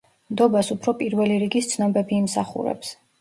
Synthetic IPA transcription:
md̪ɔbasupʰɾɔpʼiɾvɛliɾiɡist̪sʰnɔbɛbiːmsa̰χṵɾɛ̰ps

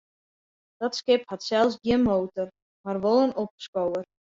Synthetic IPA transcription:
d̥ɔtskɪphatsɛlˠsɡjɪənmoːtɔr | marʋolənɔp̚skowər

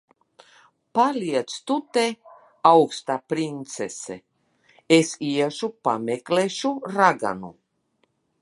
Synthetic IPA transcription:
palʲiɛt̪st̪ut̪e | awkst̪aːpɾint̪sesḛ | esiɛʒupamekleʃuɾaɡa̰nṵ

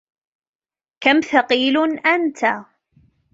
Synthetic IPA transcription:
kæmθaqiːlʊnʔænt̪ʰa

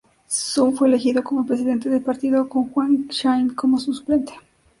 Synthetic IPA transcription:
sufwe̞le̞xiðo̞ko̞mopɾe̞siðe̞nt̪e̞ðelpaɾt̪iðoko̞ŋxwaŋʃajnko̞mosusple̞nt̪e̥

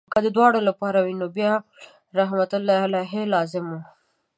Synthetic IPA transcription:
kad̪əd̪wɑɽolapɑɾawinobjɑ | ɾaɦmat̪ʊlːɑjalaɦelɑzɪmu

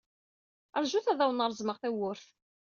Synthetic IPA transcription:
əɾˤʒuθæðæwənəɾˤzˤməʁθæwʊɾθ

